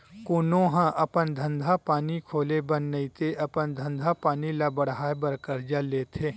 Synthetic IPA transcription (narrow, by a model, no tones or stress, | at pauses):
kʊːnõɦãʔɐpənd̪ʱɐ̃nd̪ʱapaːnikʰoːlebənːəit̪eʔɐpənd̪ʱɐ̃nd̪ʱapaːnilabɐɽɦaːebəɾkəɾd͡ʒaleːt̪ʰeː